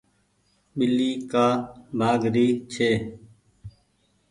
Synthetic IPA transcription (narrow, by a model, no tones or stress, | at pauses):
ɓɪliːkaːbʱaːɡɾiːt͡ʃʰeː